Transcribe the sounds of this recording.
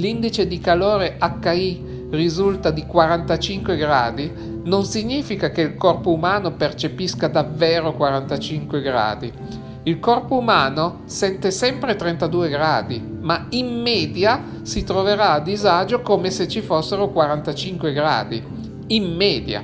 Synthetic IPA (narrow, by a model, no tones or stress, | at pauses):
lind̪it͡ʃed̪ikaloːɾeʔakːai | rizult̪ad̪ikwaɾant̪at͡ʃiŋkweɡɾaːd̪i | nonsiɲːiːfikakeilkɔrpoumaːnopert͡ʃepiskad̪avːeːɾokwaɾant̪at͡ʃiŋkweɡɾa̰ːd̪i | ilkɔrpoumaːno | sɛnt̪esɛmpɾet̪ɾent̪ad̪uːeɡɾaːd̪imaimːɛːd̪ja | sit̪ɾoveɾaːd̪ːizad͡ʒokomeset͡ʃifosːeɾokwaɾant̪at͡ʃiŋkweɡɾa̰ːd̪i | imːɛːd̪ja̰